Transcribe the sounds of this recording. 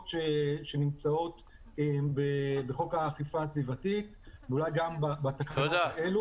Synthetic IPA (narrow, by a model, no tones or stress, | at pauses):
tʃeʃenimt͡sao̞t̪ | ebebeχo̞kaːχifaːsvivatit | veulajɡambabat̪akaaaelu